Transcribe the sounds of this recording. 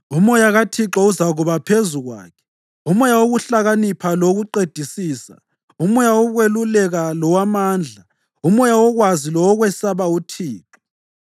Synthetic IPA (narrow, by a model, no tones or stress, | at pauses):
umɔjaɣatʰiǁauzaɣuβapʰezuɣwa̰ːkʰɛ̥ | umɔjawoɣuɬaɣanipʰaloɣuǃed̥ʱisiːsa̰ | umɔjaɔɣwelulɛɣalɔwamaːnd͡ɮʱa | umɔjawɔɣwazilɔwːɣwɛsaβautʰiːǁɔ